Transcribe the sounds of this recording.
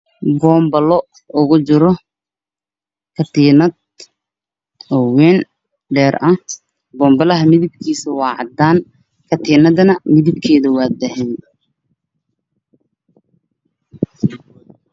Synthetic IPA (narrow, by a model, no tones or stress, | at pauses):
bɔːmbɐlɔ | ʔʊɣʊt͡ʃɪɾɔ | kʰɐt̪ʰiːnɐd̪̚ | ɔwɛːn | ɖɛːrʔɐh | bɔːmbɐlɐɦɐmɪðɪb̚kʰiːsɐwɑːʕɑ̰d̪aːn | kʰɐt̪ʰiːnɐðɐnɐmɪðɪb̚kʰɛːðɐwɑːd̪ɐɦɛːn